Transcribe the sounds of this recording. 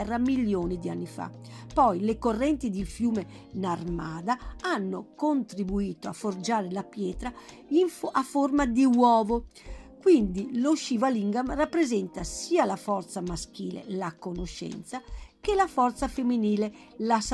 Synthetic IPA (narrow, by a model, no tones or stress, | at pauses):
ɛrːamiljoːnid̪ia̰nːifa̰ | pɔjlekorːɛnt̪id̪ilfjuːme | narmaːd̪aanːokont̪ɾibuiːt̪oaford͡ʒaːɾelapjɛːt̪ɾa | iaformad̪iwɔːvo | kwind̪iloʃivaliŋɡamrapːɾezɛnt̪asiːalafɔrt̪samask̟ḭːlḛlakonoʃɛ̰nt̪sakelafɔrt̪safemːiniːle | las